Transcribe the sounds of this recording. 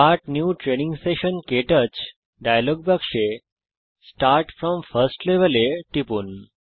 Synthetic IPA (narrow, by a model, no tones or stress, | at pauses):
aɾʈnjuːʈɾenĩŋɡseʃənkeʈət͡ɕ | ɖajlɔɡ̚bakʂe | sʈaɾʈfɾɔmfəɾsʈleʋəleʈipuːn